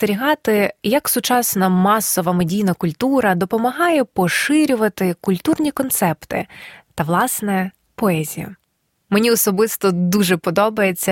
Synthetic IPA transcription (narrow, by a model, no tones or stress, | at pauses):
t̪eɾʲiɦɑt̪ɪjɐksʊt͡ʃɑsnɐmɑsɔʋɐmedʲijnɐkʊlʲt̪uɾɐd̪ɔpɔmɐɦɑjɛpɔʃɪɾʲʊʋɐt̪ɪkʊlʲt̪urnʲikɔnt̪sɛpt̪ɪ̰t̪ɐʋlˠɑsnɛ | pɔɛzʲḭjɐ̰ | menʲiɔsɔbɪst̪ɔd̪uʒɛpɔd̪ɔbɐjet͡sʲːɐ